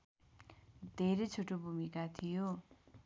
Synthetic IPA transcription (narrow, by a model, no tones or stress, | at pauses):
d̪ʱeɾejt͡sʰoʈobʱumikat̪ʰijo